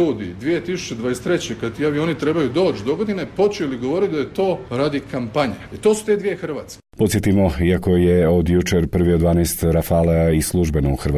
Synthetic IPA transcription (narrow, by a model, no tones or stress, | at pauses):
uːd̪id̪ʋijet̪isu̥t͡ɕed̪ʋajest̪ɾe̞t͡ɕekad̪t̪ijaʋio̞nit̪ɾe̞bajud̪o̞ːt͡ɕd̪o̞ɡod̪inepo̞t͡ɕeliɡo̞ʋo̞ɾit̪d̪ajet̪o̞ːɾad̪ikampaɲaet̪o̞ːsu̥t̪e̞d̪ʋije̞xr̩ʋaːt̪skʲepo̞t̪sjet̪imo̞iako̞jeo̞d̪jut͡ʃeɾpr̩ʋiod̪ʋaːnajst̪ɾafaːleislˠuʒbenouxɾʋa